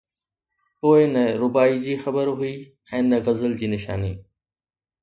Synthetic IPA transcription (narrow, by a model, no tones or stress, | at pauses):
poːɪnɐɾʊbaːid͡ʑiːxɐbəɾɦʊi | ɛ̃ːnɐɣɐzəld͡ʑiːnɪʃa̰ːniː